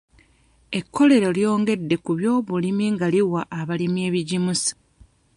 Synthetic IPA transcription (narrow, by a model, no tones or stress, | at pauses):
e̞kʰːo̞le̞ɾo̞ljo̞ːŋɡe̞dːe̞kuβjo̞ːβulimiŋɡaliwaʔːβalimje̞ːβiɟimusḁ